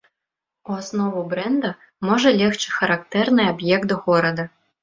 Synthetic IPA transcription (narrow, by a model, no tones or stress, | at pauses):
uɐsnɔʋʊbɾɛnd̪ɐ | mɔʒɛlʲɛxt͡ʃɪxɐɾakt̪ɛrnɪjɐbjɛk̚t̪ɔɣɔɾɐd̪ɐ